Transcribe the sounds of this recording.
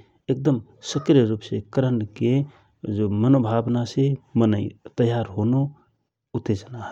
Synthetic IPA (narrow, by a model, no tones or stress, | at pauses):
ek̚d̪əmsəkɾjəɾupsekəɾəɳɖke | d͡ʒomənobʱabnasemənəit̪əjaɾɦono | ʊt̪ːed͡ʒənaɦ